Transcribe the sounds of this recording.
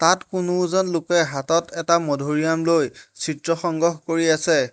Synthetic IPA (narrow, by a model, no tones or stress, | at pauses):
tatkʊnʊzɔnlʊkɛɦatɔtʰɛtamɔdʱoɹijamlojsitɹɔxɔŋɡɔxkoɹiasɛ